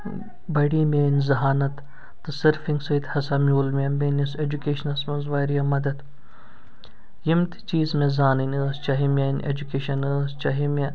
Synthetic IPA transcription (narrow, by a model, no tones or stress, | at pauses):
bɐɽimeːnzɐɦaːnɐt̪ː | ɐsɐɾfĩŋɡsɐit̪hɐsaːmjoːlmʲemenised͡ʒukeːʃnɐsmɐnzʋaːɾijamɐd̪ɐd̪ | jimt̪i̥t͡ʃiːzmẽzaːninɐst͡ʃɐɦimʲeːnʔḛd͡ʒukeːʃɐnɐst͡ʃɐɦimʲe